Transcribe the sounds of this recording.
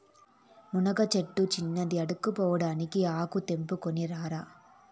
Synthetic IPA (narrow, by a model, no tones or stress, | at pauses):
munɐɡɐt͡ʃeʈːut͡ʃinːɐd̪iɐɽukːupɔːʋɐɽaːnikiaːkut̪e̞mpukoniɾaːɾa